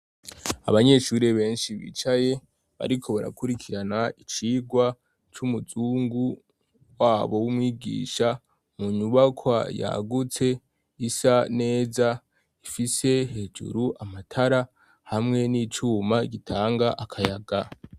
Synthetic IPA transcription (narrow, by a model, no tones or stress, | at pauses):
a̰βaɲe̞ʃuːɾeβe̞ːnʃiβḭt͡ʃaje̞ | βa̰ɾikʰo̞βaɾa̰kuɾikʰiɾanait͡ʃiːɡwa | t͡ʃumuzuːŋɡu | waːβo̞wumŋiːɡḭːʃa | muɲuβakʰwa̰ja̰ɡut͡se̞ | isane̞ːza | ifise̞he̞d͡ʒṵɾuʔamatʰaɾa | hamŋe̞nit͡ʃuːmaɡitʰaːŋɡaʔakʰajaɡa